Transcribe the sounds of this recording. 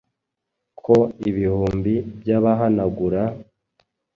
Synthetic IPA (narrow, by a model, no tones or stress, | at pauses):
kʰoiβihuːmbibjaβaɦanaɡuɾa